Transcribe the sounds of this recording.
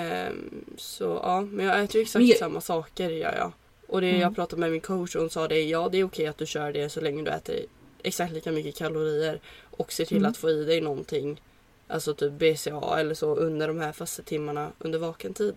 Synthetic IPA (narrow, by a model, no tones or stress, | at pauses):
sɔ̰ʔɑ̰ːmɛnjɑːɡɛːt̪əjʉɛksak̚t̪samːasɑːkəɾjœ̰ːɾjɑ̰ː | ʔɔd̪ɛjɑːɡpʰɾɑːt̪ad̪mɛmɪnkʰoʊt̪ʂhʊnsɑːd̪ɛjɑːd̪ɛæɾʊkʰɛjːat̪̚d̪ɵɕœːɖɛsɔlɛŋːəd̪ɵ̰ɛ̰ːt̪ʰə̰ɾɛ̰ksakt̪liːkamʏkːəkʰalʊɾiːəɾʔɔkseːʈʰɪlːat̪foːiːd̪ɛjnɔnt̪ʰɪŋː | ʔa̰lsɔt̪ʰyːp̚beseɑ̰ːɛlːəʂɔʔɵnd̪əɖɔmhæːɾfœst̪ət̪ʰɪmːaɳaʔɵnd̪əɾvɑːkənt̪ʰiːd̪